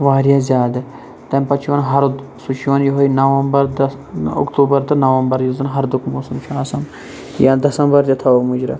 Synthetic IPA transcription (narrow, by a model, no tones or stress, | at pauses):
ʋaːɾjaːzʲjaːd̪ɐ | t̪ɐmpɐt͡ʃʰiʋɐnɦɐɾ | sut͡ʃʰiʋɐnjoɦojnɐʋɐmbɐɾd̪ɐ | ʊ̰kt̪uːbɐɾt̪ɐnɐʋɐmbɐɾjuzɐnɦɐɾd̪ʊkmoːsɐmt͡ʃʰaːsɐm | jad̪ɐsɐmbɐɾd̪ʲɐt̪ʰɐomʊd͡ʒɾɐ̰